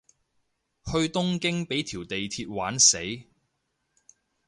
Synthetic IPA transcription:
hɵ˧ɥt̪ʊ˥ŋkɪ˥ŋpe˨˥jt̪ʰiː˨˩wt̪e˨jt̪ʰiː˧t̚waː˨˥nse˨˥j

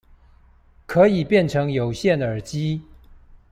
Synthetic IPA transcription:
kʰɤ˧˥i˨˩pjɛ˥˨nʈ͡ʂʰɤ˧˥ŋjo˨˩ʊɕjɛ˥˨nə˞˨˩t͡ɕi˥

